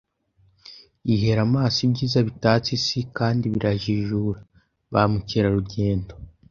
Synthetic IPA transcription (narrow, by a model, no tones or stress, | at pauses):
iɦe̞ɾamaːsibɟiːzaβitaːt͡sisikaːndiβiɾaʒiʒuːɾa | βamuceɾaɾuɟe̞ːndo